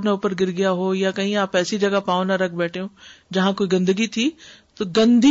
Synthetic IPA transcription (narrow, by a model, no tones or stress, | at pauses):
neʊːpəɾɡɪɾɡɪjaɦojakɐɦĩaːpɛːsid͡ʑɐɡapaːʊ̃nɐɾɐkʰbɛːʈʰijõd͡ʑɐɦãkoːiɡɐ̃nd̪əɡit̪ʰit̪ɐɡɐ̃nd̪ʱi